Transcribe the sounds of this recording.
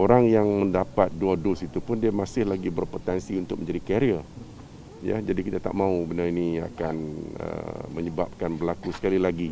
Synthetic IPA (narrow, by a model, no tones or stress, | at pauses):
oɾaŋjaŋmə̃ndapat̪̚duadʊsit̪upʊndiamasɪhlaɡibərpot̪ɛnsiunt̪ʊk̚mə̃ɲd͡ʒadikaɾiə | ja̰d͡ʒadikit̪at̪a̰ʔmãubənarinia̰kanə̰mə̃ɲəbap̚kanbəlakusə̥kalilaɡi